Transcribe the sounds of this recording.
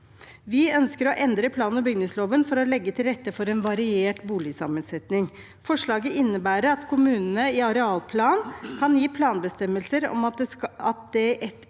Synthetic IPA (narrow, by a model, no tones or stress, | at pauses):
ʋɪœnskəɾɔʔɛnd̪ɾəpʰlɑːnnəbʏɡnɪŋsloːʋənfɔɾɔlɛɡːət̪ʰɪlɾɛt̪ːəfɔɾɛnʋɑɾɪeːʈbuːlɪsɑ̰mənsɛt̪nɪŋ | fɔʂɭɑːɡəʔɪnːəbæːɾəɾɑt̪kʰʊmʉːnənəɪɑɾɛɑːlpʰlɑːnkʰɑnjiːpʰlɑːnbəst̪ɛmːəlsəɾɔ̰mɑt̪̚d̪ɛʔɛt̪